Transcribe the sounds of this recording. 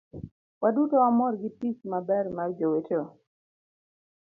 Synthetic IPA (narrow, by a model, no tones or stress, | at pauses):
wadutoamɔɾɡɪpismabɛɾmard͡ʒoweto